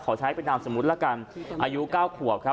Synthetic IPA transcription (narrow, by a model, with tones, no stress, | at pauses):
kʰɔː˩˦t͡ɕʰa˦˥jpe˧ndaː˧mso˨˩˦mː˦˥t̪̚laː˥ka˧nʔaː˧ju˦˥kaː˥˩wkʰu˨˩ə˩p̚kʰa˦˥